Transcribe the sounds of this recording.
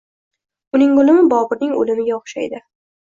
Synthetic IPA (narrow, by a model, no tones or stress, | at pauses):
ʊnɪŋʊlɪmɪbɒbɪɾnɪŋo̰lɪmɪɡʲaɒχʃajd̪ɪ